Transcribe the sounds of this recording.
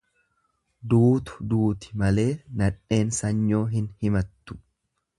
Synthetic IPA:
d̪uːt̪ʊ̥d̪uːt̪ɪ̥mɐle̞ːnɐᶑːe̞ːnsɐɲːo̞ːɦɪnhɪmɐt̪ːʊ̥

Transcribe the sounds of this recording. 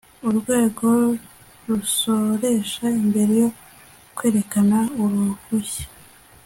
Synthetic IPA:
uɾɡwe̞ːɡo̞ | ɾuso̞ɾe̞ʃaimbe̞ɾejo̞ | kwe̞ːɾe̞kanauɾuhuçe̥

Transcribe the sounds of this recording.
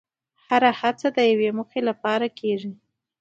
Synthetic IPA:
haɾahat͡sad̪əjawemʊxelapɑɾakeʐi

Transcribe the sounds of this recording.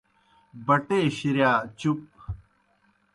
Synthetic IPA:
bɐʈeːɕiɾjaːt͡ɕup̚

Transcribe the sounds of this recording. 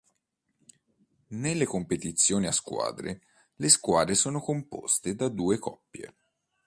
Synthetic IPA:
nelːekompet̪it̪sːjoːniaskwa̰ːd̪ɾḛ | leskwaːd̪ɾesoːnokompo̰st̪ed̪ad̪uːekɔpːjḛ

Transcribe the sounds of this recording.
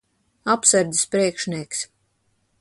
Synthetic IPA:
apsɨɾd̪ispɾiɛkʃniɛks

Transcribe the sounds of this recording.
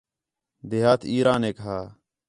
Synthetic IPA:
d̪eːɦaːt̪ʰiːɾãːneːkəɦaː

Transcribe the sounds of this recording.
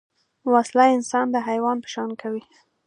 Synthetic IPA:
waslajɪnsɑnd̪əɦajwɑnpə̥ʃɑnkʰawi

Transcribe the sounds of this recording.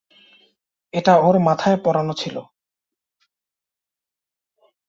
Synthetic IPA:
eʈaoɾmat̪ʰaepɔɾanot͡ɕʰilo̰

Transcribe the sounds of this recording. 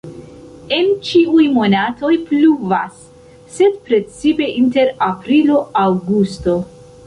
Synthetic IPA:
e̞nt͡ʃiujmo̞nato̞jpluvasː | e̞dpɾe̞t͡sipe̞ʔinte̞ɾapɾilo̞awɡusto̞

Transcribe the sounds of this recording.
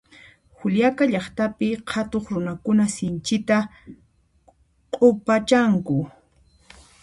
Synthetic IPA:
hʊljakaʎɑχt̪apɪhʰat̪oχɾʊnakʊnasɪnt͡ʃɪt̪a | qʼopat͡ʃaŋkʊ

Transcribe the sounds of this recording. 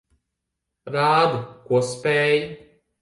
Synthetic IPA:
ɾaːd̪ukuɔspʲɛːj

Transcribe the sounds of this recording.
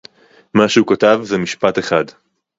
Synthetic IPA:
maʃehukatavzemiʃpat̪eχad̪

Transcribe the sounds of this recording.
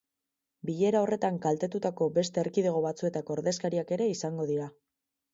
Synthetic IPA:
biʎe̞ɾao̞re̞t̪aŋkalt̪e̞t̪ut̪ako̞be̞st̪e̞ːɾkið̞e̞ɣ̞o̞βat͡sue̞t̪ako̞ːɾðe̞skaɾiake̞ɾe̞isaŋɡo̞ðiɾa

